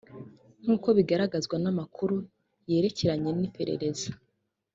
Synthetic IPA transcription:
n̥uːko̞βiɡaɾaɡazɡwanamakʰuɾu | je̞ːɾe̞ce̞ɾaɲe̞nipʰe̞ɾe̞̰ɾe̞za

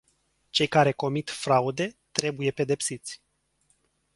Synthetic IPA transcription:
t͡ʃe̞jkaɾe̞ko̞mit̪fɾaud̪e̞t̪ɾe̞buje̞pe̞d̪e̞psit̪sʲ

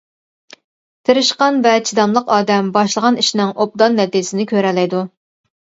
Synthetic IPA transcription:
t̪ʰeɾɪʃqɑnvɛt͡ʃʰid̪ɑmlˠəqɑːd̪ɛmbɑʃlˠəʁɑniʃnɪŋʔop̚d̪ɑnːɛt̪isɪnɪkʲʰøɾɛlɛjd̪u

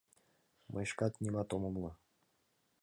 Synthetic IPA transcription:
mʔɤʃkɑt̪nʲimɑt̪omɤmlˠɤ̆

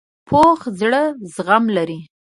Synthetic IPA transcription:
pʰoxzɽəzɣamlaɾi

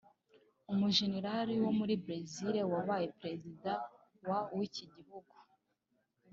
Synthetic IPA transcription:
umuʒe̞neɾaɾiwo̞muɾibɾeziɾewaβaje̞pɾe̞zida | wawiciɟihuɡu̥

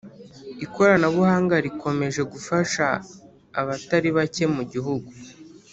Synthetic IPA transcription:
iko̞ɾanaβuhaːŋɡaɾikʰo̞me̞ʒe̞ɡufaʃaː | βataɾiβace̞muɟiɦuɡu

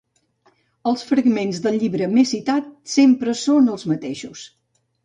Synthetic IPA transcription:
əlˠsfɾəɣmenzðəlˠʎiβɾəmesit̪at̪sempɾəsonəlˠzmət̪eʃus

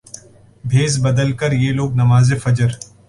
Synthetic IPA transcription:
bʱeːzbɐd̪əlkəɾjeːloːɡ̚nɐmaːzefɐd͡ʒəɾ

